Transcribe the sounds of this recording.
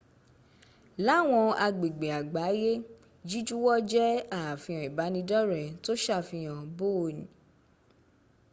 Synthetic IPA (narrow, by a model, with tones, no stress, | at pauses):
la˨˦˨w̃ɔ̃˧a˧ɡ͡be˨ɡ͡be˨a˨ɡ͡ba˨˦je˦ | d͡ʒi˦d͡ʒu˦wɔ˦d͡ʒɛ˦a˦˨fĩ˧ã˨i˨ba˨˦nĩ˧dɔ˦ɾɛ˨to˦ʃa˦˨fĩ˧j̃ã˨bo˦˨nĩ˨˦